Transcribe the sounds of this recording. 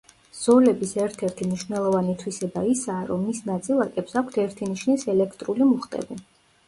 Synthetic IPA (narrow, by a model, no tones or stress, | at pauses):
z̥ɔlɛbisɛɾt̪ʰɛɾt̪ʰimniʃvnɛlˠɔvanit̪ʰwisɛbaisaːɾɔmːisnat̪sʼilˠakʼɛpsakʷʰt̪ʰɛɾt̪ʰiniʃnisɛlɛkʰt̪ʼɾulimuχt̪ʼɛ̰bi